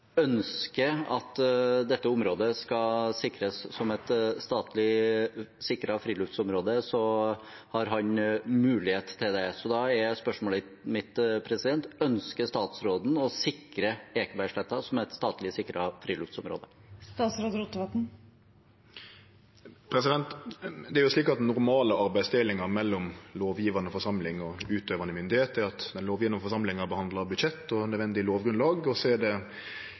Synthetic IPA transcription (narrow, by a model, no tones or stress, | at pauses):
œnskəɑt̪d̪ɛt̪ːəʊmɾoːd̪əskɑsɪkɾəsːɔmɛt̪st̪ɑːt̪lɪ | sɪkːɾɑfɾiːlʉft̪sɔmɾoːd̪əsɔ | hɑɾɦɑnmʉːlɪheːt̪t̪ʰːɪld̪ɛsɔd̪ɑɛɾjæspœʂmoːlɪt̪mɪt̪pʰɾɛsɪd̪ɛnt̪œnskəst̪ɑːt̪sɾoːd̪n̩ɔsɪkɾəeːkəbæɪʂɭɛt̪ːɑsɔmæt̪st̪ɑːt̪lɪəsɪkːɾəɑfɾiːlʉft̪sɔmɾo̰ːd̪əst̪ɑːt̪sɾoːd̪əɾʊt̪ːəʋɑt̪n̩ | pʰɾɛsɪd̪ɛnt̪d̪ɛæɾjʊsliːkɑt̪nʊɾmɑːləɑɾbæɪst̪ʰɪlɪŋɑɾmɛlːɔmloːʋjiːʋɑnəɔfɔʂɑmlɪŋɔʉːt̪øːʋɑnəmʏnd̪ɪheːt̪əɾɑt̪d̪ɛnloːʋjiːʋɑnəfɔʂɑmlɪŋɑbəhɑnd̪ləɾbʉd̪ʃɛt̪ːɔnœd̪ʋɛnd̪ɪloːʋɡɾʉnlɑːɡɔsɔæɖɛ